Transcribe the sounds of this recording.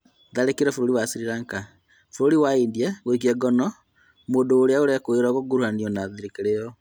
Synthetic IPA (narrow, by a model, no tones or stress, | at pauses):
ðaɾekeɾɛfoɾoɾiwasiɾiɾaŋka | foɾoɾiwaindiɛɣoikiɛɡɔnɔ | moːndoːɾeaoɾɛkoeɾɔɣoɡuɾuhaniɔnaðiɾekeɾejɔ